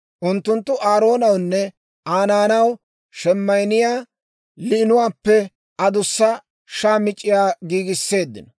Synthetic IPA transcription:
ʔʊnt̪ːʊnt̪ːʊʔaːɾo̞ːnɐwnːɛ | ʔaːnaːnɐw | ʃɛmːɐjnɪjaː | lɪɪnʊwaːpːɛ | ʔɐd̪ʊsːɐ | ʃaːmɪt͡ʃʼːɪjaːɡiːɡɪsːe̞ːd̪ːɪ̰nɔ

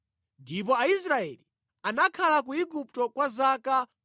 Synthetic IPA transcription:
ndip̬ɔaisɾaɛli | anakʰalakuiɡup̚tɔkwazaka

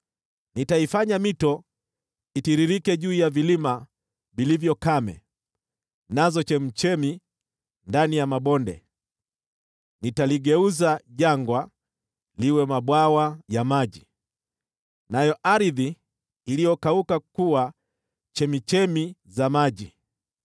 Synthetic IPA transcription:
nitaifaɲamitɔ | itiɾiɾikɛʄuːjavilima | vilivjɔkamɛ̰ | nazɔt͡ʃɛm̩t͡ʃɛmi | ndanijamaɓɔndɛ̰ | nitaliɡɛuzaʄaŋɡwa | liwɛmaɓwawajamaʄi | najɔʔaɾiðiː | lijɔkaukakuwa | t͡ʃɛmit͡ʃɛmizamaʄi

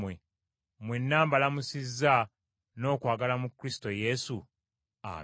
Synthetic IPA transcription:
we | mwenːaːmbalamusizːa | no̞ːkwaːɡalamukːɾisi̥to̞je̞su | a̰

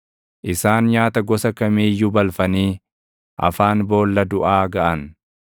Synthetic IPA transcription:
ʔɪsaːnɲaːt̪ɐɡɔsɐkɐmiːjʊbɐlfɐniː | ʔɐ̰faːnbo̞ːlːɐd̪ʊʔaːɡɐʔɐn

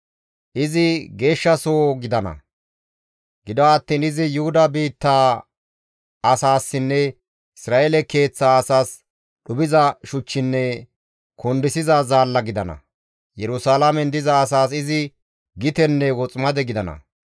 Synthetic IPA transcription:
ʔɪzɪɡe̞ːʃːɐsoːɡɪd̪ɐnɐ̰ | ɡɪd̪ɔɐt̪ːiːnɪzɪjʊhʊd̪ɐbiːt̪ːaː | ɐsaːsːɪnːɛ | ɪsɾaːʔelɛke̞ːt͡sːaːɐsaːs | ɗʊbɪzɐʃʊt͡ʃːɪnːɛ | kʰɔnd̪ɪsɪzazaːlːɐɡɪd̪ɐnɐ̰ | jɛɾʊsaːlɐmɛnd̪ɪzɐːsaːs̬ɪzɪ | ɡɪt̪ɛnːɛwɔt͡sʼmɐd̪ɛɡɪd̪ɐnɐ̰

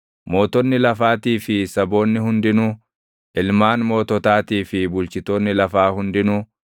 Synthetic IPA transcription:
mo̞ːt̪ɔnːɪlɐfaːt̪iːfɪsɐbo̞ːnːɪhʊnd̪ɪnʊ | ʔɪlmaːnmo̞ːt̪ɔt̪aːt̪iːfɪbʊlt͡ʃɪt̪oːnːɪlɐfaːhʊnd̪ɪnʊ

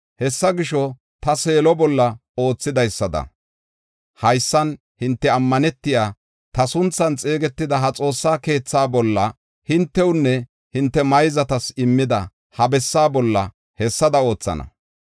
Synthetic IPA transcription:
hɛsːɐɡɪʃɔ | t̪ɐseːlɔbɔlːɐo̞ːt͡sːɪd̪ɐjsːɐd̪ɐ̰ | hɐjsːɐn | hɪnt̪ːɛɐmːɐnɛt̪ːɪjaː | t̪ɐsʊnt͡sːɐnt͡sʼe̞ːɡɛt̪ːɪd̪ɐɦɐt͡sʼo̞ːsːaːke̞ːt͡sːaːbɔlːɐ | hɪnt̪ːɛwnːɛ | hɪnt̪ːɛmɐjzɐt̪ɐsɪmːɪd̪ɐ | hɐbɛsːaːbɔlːɐ̰ | hɛsːɐd̪ɐo̞ːt͡sːɐ̰nɐ̰

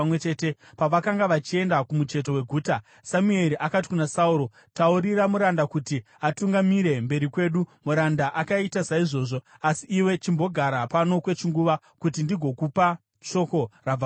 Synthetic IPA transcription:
wet͡ʃe̞ːte̞ | paʋakaŋɡaʋat͡ʃie̞ndakumut͡ʃe̞t̬o̞we̞ɡʱuːta | samue̞ɾiʔakat̬i̥kunasauɾo̞ | tauɾiɾamuɾandakuti | atuŋɡamiɾe̞mbe̞ɾikwe̞ːɗumuɾandaʔakaitasaiʐo̞ːʐo̞asiːwe̞t͡ʃimbo̞ɡʱaɾapano̞kwe̞t͡ʃiŋɡuʋa | kut̬indiɡʱo̞kupa | ʃo̞ko̞raa

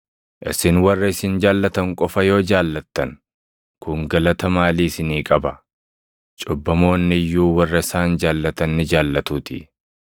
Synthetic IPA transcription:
ʔɪ̰sɪnwɐrːɐɪsɪnd͡ʒaːlːɐt̪ɐŋkʼɔfɐjo̞ːd͡ʒaːlːɐt̪ːɐn | kʊŋɡɐlɐt̪ɐmaːliːsɪniːkʼɐbɐ | t͡ʃʼʊbːɐmo̞ːnːɪjːuːwɐrːɐɪsaːnd͡ʒaːlːɐt̪ɐnːɪd͡ʒaːlːɐt̪uːt̪ɪ̰

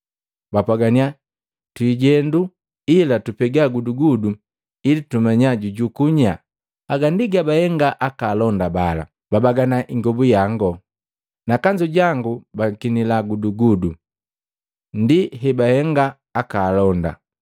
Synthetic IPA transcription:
bapwaɡania | twiɟɛndu | ilatupɛɡaɡuduɡudu | ilitumaɲaɟuɟukuɲa | aɡandiɡabahɛŋɡaʔakaːlɔndabala̰ | b̥abaɡanaʔiŋɡɔbujaŋɡɔ | nakaɲd͡ʒuɟaŋɡubakinilaɡuduɡudu | ndiɦɛbahɛŋɡaː | kaːlɔnda̰

